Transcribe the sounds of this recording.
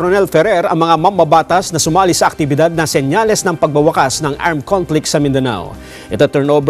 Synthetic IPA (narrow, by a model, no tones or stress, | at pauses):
ɾonɛlfɛɾɛɾɐ̰ŋmɐŋamɐmbɐbaːt̪ɐsnɐsʊmaːlɪsɐʔɐk̚t̪ɪbɪd̪ad̪̚nɐsɛnjalɛsnɐŋpɐɡ̚bɐwɐkasnɐŋʔa̰ɹmkʰonflɪksɐmɪnd̪ɐna̰w | ʔɛt̪ot̪ɛɹnʔob